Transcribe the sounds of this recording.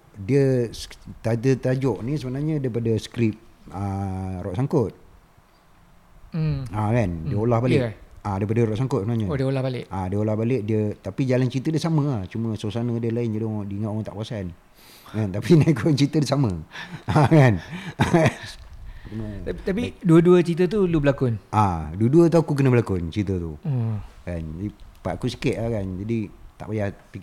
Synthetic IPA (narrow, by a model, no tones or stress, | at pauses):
diə | t̪at̪ət̪ad͡ʒɔʔnisəbənarɲə̃daipadəsə̥kɾip̚ərɔʔsaŋkʊt̪̚ | akandiəolahbaleadaip̬adəɾɔʔsaŋkʊt̪̚səbənaɲadolahbalɪʔadiəolahbaleʔ̚diət̪apid͡ʒalant͡ʃit̪ədəsamə̃aht͡ʃumə̃sosanə̃diəlaɪnd͡ʒadʊdiŋaʔoaŋt̪a̰ʔpuasan | kant̪apinaikunt͡ʃit̪ədəsaməakanant͡ʃumət̪apiduəduət͡ʃit̪̬ət̪̬ulubəlakʊnʔaduəduət̪̬aukuk̬ənəbəlakʊnt͡ʃit̪ət̪u | kand͡ʒaipaʔkusi̥kɪt̪̚ahkand͡ʒadit̪aʔbajahpik